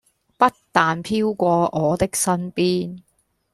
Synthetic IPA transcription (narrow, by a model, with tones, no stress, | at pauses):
pɐ˥tt̪aː˨npʰiː˥wkʷɔː˧ʔɔː˨˧t̪ɪ˥k̚sɐ˥npiː˥n